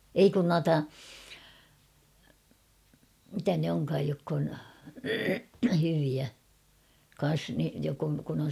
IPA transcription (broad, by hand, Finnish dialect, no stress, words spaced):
ei kun nuɑtɑ mitæ ne oŋkɑːj jokː on hyʋiæ kɑn̞s ni jok on kun on̞